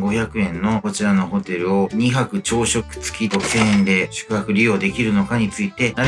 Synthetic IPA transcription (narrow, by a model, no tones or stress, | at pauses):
ɡo̞çakɯ̟ẽ̞nːo̞ko̞t͡ɕiɾano̞ɦo̞t̪e̞ɾɯ̟o̞ɲ̟iɦakɯ̟t͡ɕo̞ːɕo̞kɯ̟̥t͡sɨ̥kʲit̪o̞sẽ̞ːnd̪e̞ɕɨ̥kɯ̟ɦakɯ̟ɾʲio̞ːd̪e̞kʲiɾɯ̟no̞kaɲ̟it͡sɨit̪e̞naɾ